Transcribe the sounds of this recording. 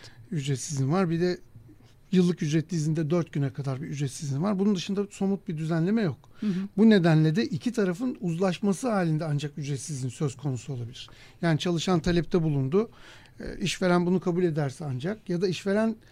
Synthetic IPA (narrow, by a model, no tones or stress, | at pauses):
yd͡ʒɾɛt̪sizinvaɾbid̪ɛ | jɯlˠːɯkjyd͡ʒɾɛt̪lʲiːzind̪ɛd̪øɾt̪̚ɟynɛkʰad̪aɾbiyd͡ʒɾɛt̪sizinvaɾbunund̪ɯʃɯnd̪aso̞mut̪̚bid̪yzænlʲe̞mɛjo̞kbune̞d̪ænlʲed̪ɛʔicʰit̪ʰaɾafɯnuzlˠaʃmasɯɦaːlʲind̪ɛand͡ʒakyd͡ʒɾɛt̪sizinsø̞z̥kʰo̞nusuo̞lˠabilʲiɾ̥ | jaːnit͡ʃʰalˠɯʃant̪ʰalʲɛp̚t̪ʰɛbulˠund̪ʊ̰ | ʔiʃve̞ɾænbunukʰabuːlʲe̞d̪æɾsɛand͡ʒak̚jad̪aiʃve̞ɾæn